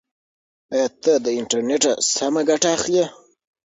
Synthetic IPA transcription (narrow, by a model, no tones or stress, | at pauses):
ajɑt̪əd̪əɪɳʈaɾneʈa̰samaɡaʈaːxle